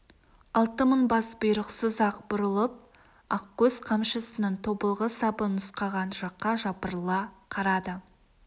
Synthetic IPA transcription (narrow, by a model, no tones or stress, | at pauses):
ɑlˠt̪əməɴbɑsbʊjɾəqsəzɑqbʊɾəlˠəp̚ | ɑqkʲɵzqʰɑmʃəsənənt̪ʰo̞bəlˠʁəsɑbənʊsqɑʁɑnʒɑqːɑʒɑpəɾəlˠɑqʰɑɾɑd̪ə